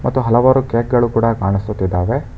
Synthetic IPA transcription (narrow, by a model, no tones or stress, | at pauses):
mɐt̪ːuɦɐlɐʋaːɾukeːk̚ɡɐɭukuːɽɐkaːɳisut̪ːid̪ːaːʋe̞